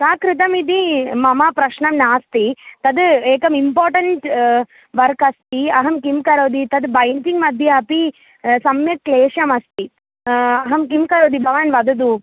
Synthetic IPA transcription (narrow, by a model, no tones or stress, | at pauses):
saːkɾɪt̪̬ɐmid̪̬imɐmapɾɐʃɳɐmnaːst̪it̪ɐd̪eːkɐmimpaːɾʈɐɳʈ | ʋɐɾkɐst̪iɐɦɐmkimkɐɾoːd̪it̪ɐd̪bɐjɳʈiŋɡmɐd̪ʱjɐɐpi | sɐmjɐkkleːʃɐmɐst̪i | ɐɦɐmkimkɐɾoːd̪ibaːnʋɐd̪ɐd̪u